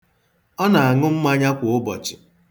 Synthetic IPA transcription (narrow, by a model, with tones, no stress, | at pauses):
ɔ˦na˨a˨ŋʊ˦m̩˦ma˦ɲa˦kʷʊ˨ʊ˦bɔ˨t͡ʃɪ̥˨